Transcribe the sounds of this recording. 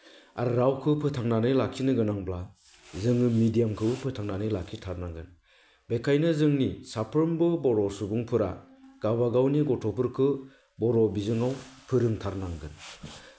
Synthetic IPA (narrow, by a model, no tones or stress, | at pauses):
a̰ɾɯɾawkʰɯpʰɯtʰaŋnanɯjlakʰinɯɡɯnaŋbla | zɯŋɯmidijamkʰɯbɯpʰɯtʰaŋnanɯjlakʰitʰaɾnaŋɡɯn | bekʰajnɯzɯŋnisapʰɯɾmbɯbɔɾɔsubuŋpʰɯɾa̰ | ɡ̥abaɡawniɡɔtʰɔpʰɯɾkʰɯ | bɔɾɔbizɯŋawpʰɯɾɯŋtʰaɾnaŋɡɯ̰n